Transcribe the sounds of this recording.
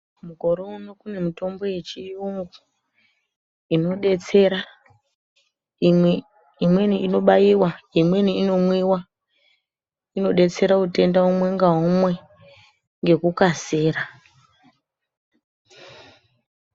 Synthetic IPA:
muko̞ɾounokune̞mito̞mbo̞je̞t͡ʃiuŋɡu | ino̞ɗet͡se̞ɾa | imwe̞niino̞ɓajiwaimwe̞niːno̞mwiwa | ino̞ɗe̞t͡se̞ɾaute̞ndaɦomwe̞ŋɡaɦomwe̞ | ŋɡe̞kukaseːɾa

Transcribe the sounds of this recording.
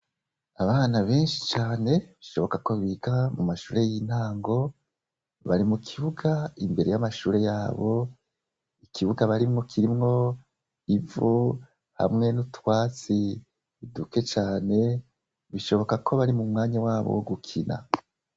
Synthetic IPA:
aβaːnaβe̞ːnʃit͡ʃaːne̞βiʃo̞βo̞kako̞βiɡamumaʃuːɾe̞jin̥aːŋɡo̞ | βa̰ɾimukʰiβuɡaimbe̞ɾe̞̰jamaʃuːɾe̞jaːβo̞ | ikʰiβuɡaβaɾimŋo̞kʰiɾimŋo̞ | ivu | ha̰mŋe̞nutwaːt͡siː | duke̞t͡ʃaːne̞ | βiʃo̞βo̞kakʰo̞βaɾimumŋaːɲawaːβo̰woɡukʰinʔa̰

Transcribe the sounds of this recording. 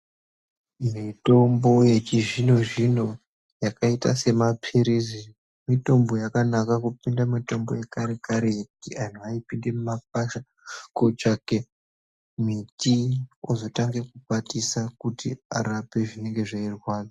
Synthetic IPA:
mito̞mbo̞jet͡ʃiʐino̞ʐino̞ | jakaita̰se̞mapʰiɾizi | mito̞mbo̞jakanakakupindamitombo̞̰jekaɾekaɾejekutian̤uaipinde̞mumap̚aʃa | kot͡ʃake | mitiozo̞taŋɡe̞kupatisakutḭa̰ɾape̞ʐine̞ŋɡe̞ʐairwaːno

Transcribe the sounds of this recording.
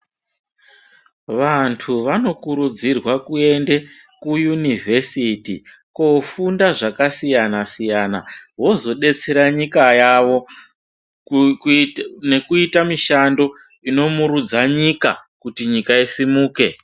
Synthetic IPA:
ʋantʰuʋano̞kuɾud͡zirwakue̞nde̞ | kujunivʱe̞sitḭ | kofundaʐakasijanasijanaʋo̞zo̞ɗe̞t͡se̞ɾaɲikajaʋo̞ | ne̞kuitamiʃando̞ | ino̞muɾud͡zaɲika̰kutiɲikaisimuːke̞

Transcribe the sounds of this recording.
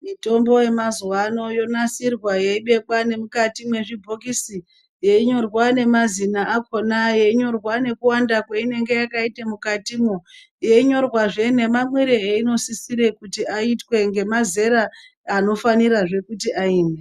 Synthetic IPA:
mito̞mbo̞je̞mazwano̞jo̞nasirwajeiɓe̞kwane̞mukatimwe̞ʐibʱo̞kisi | jeiɲo̞rwane̞mazinaʔːkʰo̞najeiɲo̞rwane̞kuwandakweine̞ŋɡe̞jakaitemukatimo | je̞iɲo̞rwaʐe̞ne̞mamwiɾeeino̞sisiɾe̞kutiaitwe̞ŋɡe̞maze̞ɾaː | no̞faniɾaʐe̞kutiaiːne

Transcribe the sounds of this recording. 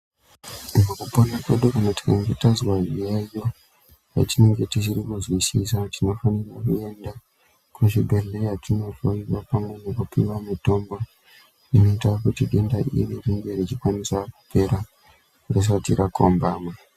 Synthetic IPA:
makuponakweɗukanati̥kaŋɡetazwaʐiajo | ja̰tine̞ŋɡe̞tit͡ʃirikuzwisisatino̞fanirakue̞nda | kuʃibʱeɮeatino̞voiʋapamwe̞nekupiwamito̞mbo | ino̞itakutiɗindaʔḭririŋɡerit͡ʃikwanisaku̥pe̞ɾa | ras̬atiɾakʰo̰mbaːma

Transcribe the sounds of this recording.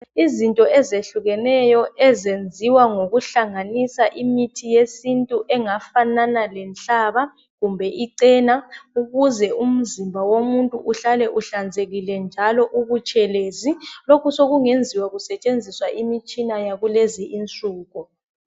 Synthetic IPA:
izintʼɔɛzeɬuɣɛnɛjɔɛzend͡zʱiwaŋoɣuɬaŋanisaʔimitʰijesintʼuʔɛŋafananalɛnɬʼaβa | ɣumbʱɛʔiǀɛnauɣuzɛʔum̩zimbʱawomuntʼuuɬalɛʔuɬand͡zʱeɣilɛnd͡ʒʱalɔʔuɣut͡ʃʼʰɛleːzilokʰusoɣuŋend͡zʱiwaɣusɛt͡ʃʼend͡zʱiswaʔimit͡ʃʼinajaɣuleziʔint͡sʼuːɣu

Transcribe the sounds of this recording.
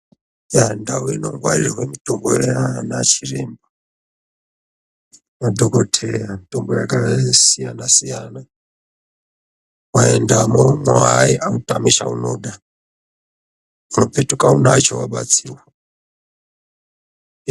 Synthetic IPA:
jandawinɔŋɡwa̰liɾiɦwɛmitʼɔmbɔɛlɛanat͡ʃʰiɾɛmba | wadɔkɔtʰɛjamitʼumbɔjakʼalasijanasijana | waɛndamɔŋwaiʔamutʼamiʃa̰ṵnuɗa | unɔpʰɛtukʼaunat͡ʃʰɔwaɓa̰t͡sʰiːwa

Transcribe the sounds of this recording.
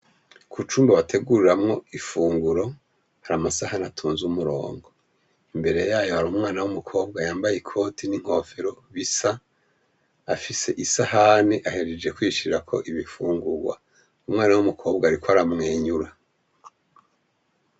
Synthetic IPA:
kʰut͡ʃuːmbaβatʰe̞ɡuɾiɾamŋo̞ifuːŋɡuɾo̞ | haɾamasahanatʰuːnzumuɾo̞̰ːŋɡo̞ | imbe̞ɾe̞jaːjo̞haɾuːmŋaːnawumukʰo̞ːbɡajaːmbajekʰo̞tʰiniŋ̥ho̞feɾo̞βisa | afise̞ʔisahaniʔaheɾed͡ʒe̞kwiːʃuɾiɾakʰo̞̰ʔiβifuːŋɡuɡwa̰ | umŋaːnawumukʰo̞ːb̚ɡaɾikwaɾamŋe̞ːɲuɾa

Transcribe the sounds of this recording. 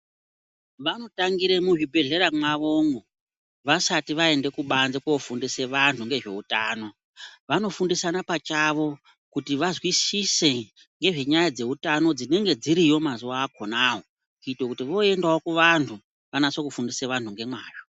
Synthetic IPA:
ʋano̞taŋɡiɾemuʐibʱe̞ɮe̞ɾamwaʋo̞ŋɡo | ʋasatiʋae̞nde̞kuɓanzekuofundiseʋantʰuŋɡe̞ʐe̞̰utaːno̞ | ʋano̞fundisanapat͡ʃaʋo̞ | kutiʋazwisise̞ | ŋɡe̞ʐe̞ɲajad͡ze̞utano̞d͡zine̞ŋɡe̞d͡ziɾijo̞mazuaːko̞naːwo̞ | kuitokutiʋo̞e̞ndaokuʋantʰu | ʋanaso̞kufundiseʋantʰuŋɡe̞mwaːʐo

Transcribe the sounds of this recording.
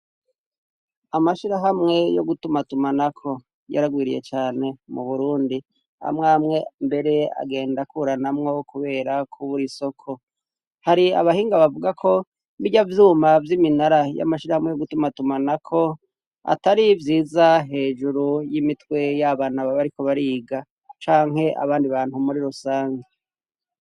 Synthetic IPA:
amaʃiɾaɦamŋe̞jo̰ɡutumatumanakʰo̞ | ja̰ɾaɡwiːɾḭje̞̰t͡ʃaːne̞mṵβuɾuːndi | a̰mŋaːmŋe̞mbe̞ɾe̞a̰ɡe̞ːndakuːɾanamŋo̞kuβe̞ːɾakʰuβuɾiso̞kʰo̞ | haɾia̰βahiːŋɡaβavuɡakʰo̞ | βiɟavjuːmavjiminaɾaja̰maʃiɾahamŋejoɡutumatumanakʰo̞ | a̰taɾivjiːzaɦe̞ːʒuɾujimitwe̞jaβaːnaβaβaɾiko̞βaɾiːɡa | t͡ʃaːŋɦe̞ʔa̰βaːndiβaːn̥humuɾiɾusaːŋɡe

